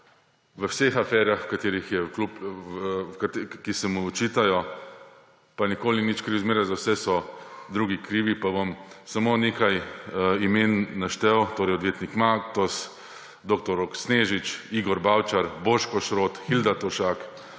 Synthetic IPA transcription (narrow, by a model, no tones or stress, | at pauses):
ʋəwsexafɛɾjaxwkat̪eːɾixjɛklup | kt̪kisɛmuːt͡ʃiːt̪ajɔ | panikoːlinit͡ʃkɾiwzmeːɾazawsɛsɔd̪ɾuːɡikɾiːʋipabɔmsamoːnekajimenːaʃt̪ɛwt̪oːɾɛjɔd̪ʋjeːt̪nikmakt̪ɔs | d̪oːk̚t̪ɔɾɔksneːʒit͡ʃiɡɔɾbawt͡ʃaɾboːʃkɔʃɾoːt̪xild̪at̪ɔʃak